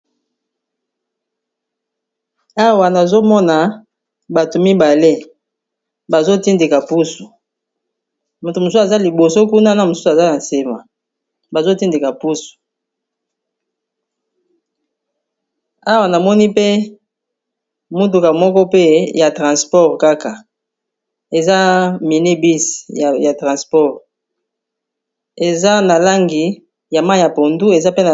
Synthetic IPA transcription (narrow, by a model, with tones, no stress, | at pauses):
a˦wa˨na˨zo˦mɔ˦na˨ | ba˨to˨mi˦ba˨le˦ | ba˨zo˦ti˦nde˨ka˨pu˦su˨ | mo˨to˨mo˨su˦a˨za˦li˨bo˨so˦ku˦na˦na˦mo˨su˦sa˨za˦na˨se˨ma˨ | ba˨zo˦ti˦nde˨ka˨pu˦su̥˨ | a˦wa˨na˨mɔ˦ni˦pe˦ | mu˦t̬u˨ka˨mɔ˦kɔ˦pe˦ja˨tʁã˨spɔ˦ʁka˦ka˨ | e˨za˦mi˨ni˦bi˦sja˨tʁã˨spɔ˦ʁ | e˨za˦na˨la˦ŋɡi˨ | ja˨ma˦i˨ja˨po˨ndu˦e˨za˦pe˦na˨